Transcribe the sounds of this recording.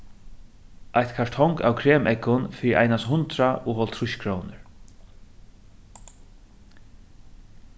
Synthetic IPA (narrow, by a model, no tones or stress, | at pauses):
ʔajt̪kʰaɹt̪ʰɔŋka̰wkʰɾeːmʔɛkʊnfiːɾɪɾʔa̰jnasɦʊnt̪ɾaʊːɦɔlt̪ʰɾʊʃkʰɾɔwnɪɹ